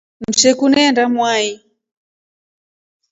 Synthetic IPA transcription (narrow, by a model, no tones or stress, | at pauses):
m̩ʃɛkunɛndamwai